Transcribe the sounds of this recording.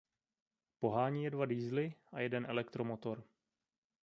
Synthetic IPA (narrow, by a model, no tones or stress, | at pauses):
po̞ɦaːɲiːjɛdvadiːzlɪʔajɛdɛnʔɛlɛkt̪ɾomot̪o̞ɾ